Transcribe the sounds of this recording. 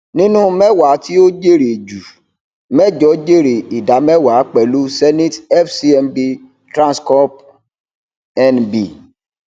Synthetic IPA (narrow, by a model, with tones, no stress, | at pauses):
nĩ˦nũ˦mɛ˦wa˨˦ti˦o˦d͡ʒe˦˨ɾe˨d͡ʒu˨ | mɛ˦d͡ʒɔ˨˦d͡ʒe˦˨ɾe˨i˨da˨˦mɛ˦wa˨˦k͡pɛ˨lu˦sɛ˦nĩ˦tɛ˦fsi˦ɛ˧mbi˧ | tɾã˦˨skɔ˦p | ɛ˦nbi˨